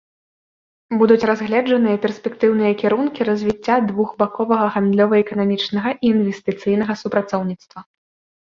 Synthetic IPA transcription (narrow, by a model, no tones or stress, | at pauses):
bud̪ut͡sʲrazɣlʲɛd͡ʐɐnɨjɐpʲɛrsʲpʲɛkt̪ɨwnɨjɐkʲɛɾunkʲiɾɐzʲvʲit͡sʲːad̪vuɣbakɔvɐɣɐɣand̪lʲɔvɐɛkɐnamʲit͡ʂnɐɣɐʔiːnvʲɛst̪ɨt̪sɨjn̪ɐɣɐsupɾat̪sɔwnʲit̪st̪vɐ